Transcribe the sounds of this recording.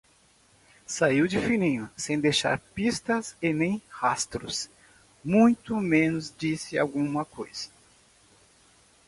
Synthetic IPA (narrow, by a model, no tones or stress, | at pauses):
saiwd͡ʒɪfilĩɲʊsẽj̃d̪eʃa̰ɾpist̪ɐsɪnẽj̃hast̪ɾʊ̰s | mũj̃t̪ʊmẽnʊzd͡ʒisɪa̰wɡũmɐkojz̥ɐ̥